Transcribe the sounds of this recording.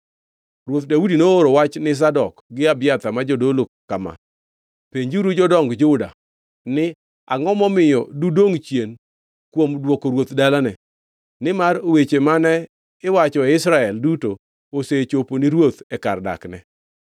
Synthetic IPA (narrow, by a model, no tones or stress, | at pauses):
rwot̪daudinooɾowat͡ʃnɪs̬adɔkɡɪabɪjat̪amad͡ʒodolokama̰ | peɲd͡ʒuɾud͡ʒɔdɔŋɡd͡ʒʊda̰ | nɪ | a̰ŋɔmɔmɪjɔdudoŋt͡ʃjen | kwomdwokoɾwot̪dalanɛ | nɪmaɾowet͡ʃemanɛ | ɪwat͡ʃɔɛɪsɾaɛlduto | oset͡ʃoponɪɾwot̪ɛka̰rda̰knɛ̰